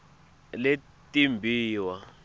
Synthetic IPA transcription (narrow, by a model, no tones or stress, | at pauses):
le | tʼimbʱiːwa